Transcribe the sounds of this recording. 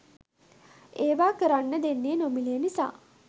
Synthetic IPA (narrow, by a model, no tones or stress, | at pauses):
eːʋaːkəɾanːəd̪enːeːnomilijənisa̰ː